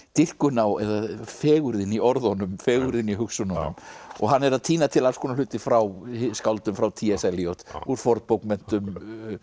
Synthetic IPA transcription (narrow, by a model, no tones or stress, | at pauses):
t̪ɪr̥kʏnawɛðafɛːɣʏɾðɪniɔɾðhɔnʏmfɛːɣʏɾðɪniɦʏksʏnhɔnnːmɔɣɦanːɛɾaðt̪ʰiːnat̪ʰɪlalskoːnalʏːt̪ɪfɾawhskawlt̪ʏmfɾawt̪ʰiːɛsɛlijowt̪uɾ̥fɔɾt̪powkmɛn̥t̪ʏm